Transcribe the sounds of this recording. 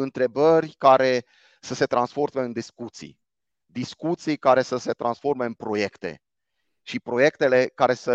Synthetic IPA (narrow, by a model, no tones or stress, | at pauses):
ɨnt̪ɾe̞bərʲkaɾe̞ | səse̞t̪ɾansfo̞rmeɨnd̪iskut̪sḭ | d̪iskut̪sijkaɾe̞səse̞t̪ɾʔansfo̞rme̞ɨnpɾo̞je̞kt̪e̞̰ | ʃipɾo̞je̞kt̪e̞le̞kaɾe̞sə